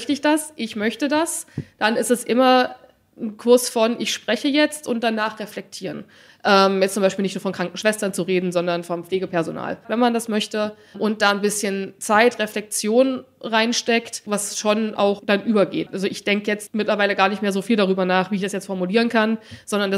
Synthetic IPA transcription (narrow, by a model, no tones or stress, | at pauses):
çtɪçd̥asʔɪçmœçtədasd̥anɪstɛsʔɪmɐ | n̩kʰʊɐsfɔnʔɪçʃpʁ̥ɛçəjɛt͡stʔʊnt̚d̥anaːχʁɛflɛk̚tʰiːʁən | ʔɛːmjɛt͡sʊmaɪʃpiːlnɪçtnuːɐfɔnkʁ̥aŋkn̩ʃv̥ɛstɐnt͡suʁeːdn̩zɔndɐnfɔnmpp͡fleːɡəpʰɛɐzona̰ːlvɛnmandasmœçtə | ʔʊnt̚d̥aːnbɪsçənt͡saɪtʁeflɛk̚t͡sjoːnn | ʁaɪnʃtɛktvasʃonʔa̰ʊxd̥anʔyːbɐɡḛːtʔalzoʔɪçd̥ɛŋkəjɛt͡stmɪtlɐvaɪləɡaːɐnɪçtmeːɐzoːfiːldaʁyːbɐnaːχv̥iːɪçd̥asjɛt͡stfɔɐmuliːʁənkʰanz̥ɔndɐnda